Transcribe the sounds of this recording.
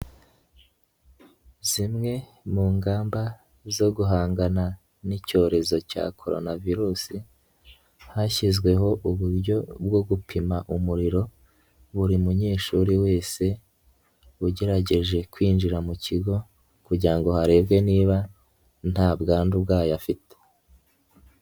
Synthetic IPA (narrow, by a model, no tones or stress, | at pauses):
zimŋe̞ | muːŋɡaːmba | zo̞ɡuɦaːŋɡana | nico̞ːɾe̞zo̞ca̰kʰo̞̰ɾo̞̰naviɾusi | haçizɡwe̞ɦo̞ʔuβuɾɟo̞b̚ɡo̞ɡupʰimaʔumuɾiɾo̞ | βuɾimuɲeːʃuɾiwe̞ːse̞ | βuɟe̞ɾaɟe̞ʒe̞kwiːnd͡ʒiɾamuciɡo̞ | kuɟiɾaŋɡo̞haɾe̞ːbɡe̞niːβa | n̥haːbɡaːndubɡaːjafite̥